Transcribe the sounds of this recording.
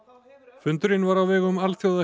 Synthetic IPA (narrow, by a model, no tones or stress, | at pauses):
fʏnt̪ʏɾɪnvaɾawvɛːɣʏmalkʰaða